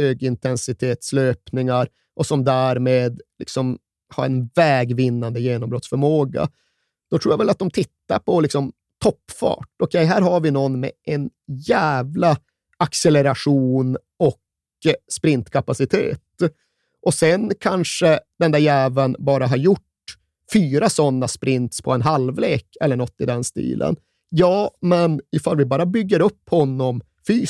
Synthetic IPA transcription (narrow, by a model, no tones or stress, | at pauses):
høːɡɪnt̪ʰɛnsɪt̪ʰeːt̪sløːpnɪŋaɾ | ʔɔsɔmd̪æːɾmeːd̪lɪksɔm | ha̰ɾɛnvɛːɡvɪnːand̪əjeːnɔmbɾɔt̪sfœɾmoːɡa̰ | d̪̥ɔt̪ɾuːjavɛlat̪̚d̪ɔmt̪ʰɪt̪ːa̰ɾpʰɔlɪksɔm | t̪ʰɔpːfɑ̰ːʈɔkʰɛjɦæːɾɦaɾvɪnɔnːmɛ̰ʔɛnjæːvla | aksɛləɾaʂuːn | ɔk | spɾɪnt̪kʰapasɪt̪ʰḛːt̪ | ʔɔsɛnkʰanʂəd̪ɛnd̪æːɾjæːvənbɑːɾaɦaɾjʊʈ | fyːɾasɔnːaspɾɪnt̪spʰɔɛnɦalvleːkʰɛlːəɳɔt̪ːɪd̪ɛnst̪ḭːlʔə̰n | jɑːmɛnɪfalːvɪbɑːɾabʏɡːəɾɵpːhɔnːɔm | fyː